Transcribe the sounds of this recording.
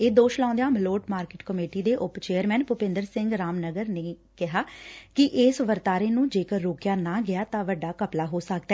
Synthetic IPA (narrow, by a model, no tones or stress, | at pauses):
eːd̪oːʃlãːnd̪ejãːmɪloːʈmaːɾkeːʈkəmeːʈiːd̪eːʔʊpt͡ʃeːəɾmɛ̃ːnpʊpɪ̃nd̪əɾsɪŋɡɾaːmnəɡəɾneː | kɪɦaːkɪʔeːsʋəɾt̪aːɾeːnũːd͡ʒeːkəɾːoːkjaːnãːɡɪjaːt̪ãːʋəɖːaːkəplaːɦoːsək̚d̪aɛː